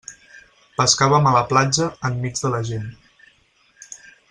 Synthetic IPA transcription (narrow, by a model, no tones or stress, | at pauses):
pəskaβəmələplad͡ʒəːmːid͡zðələʒen